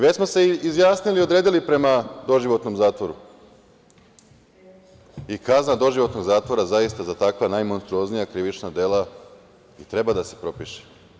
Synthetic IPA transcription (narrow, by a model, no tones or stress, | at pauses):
ʋet͡ɕsmo̞se̞izjaːsnilio̞d̪ɾe̞ːd̪ilipɾe̞mad̪o̞ʒiʋo̞t̪no̞mzaːt̪ʋo̞ɾṵ | ikaznad̪o̞ʒiʋo̞t̪no̞ɡzaːt̪ʋo̞ɾazajist̪azat̪akʋanajmo̞nst̪ɾuo̞znijakɾiʋit͡ʃnad̪e̞la | it̪ɾe̞bad̪ase̞̥pɾo̞piʃe̥